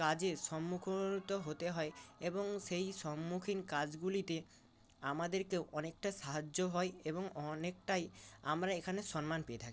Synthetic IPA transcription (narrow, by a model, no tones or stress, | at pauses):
ad͡ʑeʃɔmːukʰot̪ɔɦot̪eɦɔeeboŋsejʃɔmːukʰinkad͡ʑɡulit̪e | amad̪eɾkewʔɔnek̚ʈasaɦad͡ʒd͡ʑoɦɔeebɔŋɔnek̚ʈajamɾaekʰanesɔnmanpeet̪ʰaki